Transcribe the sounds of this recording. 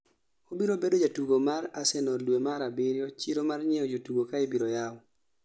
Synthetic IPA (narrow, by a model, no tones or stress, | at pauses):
obiɾobedod͡ʒatuɡomaɾasɛnɔlwemaɾabɪɾjɔt͡ʃiɾomarɲɛɔd͡ʒotuɡokaebiɾojaw